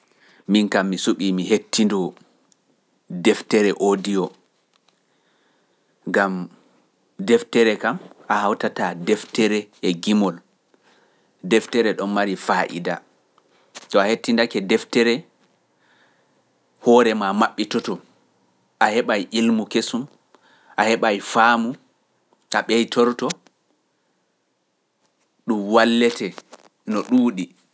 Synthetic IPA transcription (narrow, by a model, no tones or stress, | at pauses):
minkamːisuɓimiɦetːindɔ | dɛftɛɾɛʔodijɔ | ŋɡam | dɛftɛɾɛkamʔahawtatadɛftɛɾɛɛɡimɔl | dɛftɛɾɛɗɔnmaɾifaʔḭda | tɔahetːindakɛdɛftɛɾɛ | hɔːɾɛmamaɓːitɔtɔ | ʔahɛɓajʔilmukesum | ʔahɛɓajfaːmu | ʔaɓɛjtɔɾtɔ | ɗumwalːɛtɛ | nɔɗuːɗi